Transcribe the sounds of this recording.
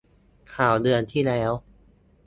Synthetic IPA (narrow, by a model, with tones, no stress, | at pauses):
kʰaː˨˩wdɯ˧ənt̪ʰiː˥˩lɛː˦˥w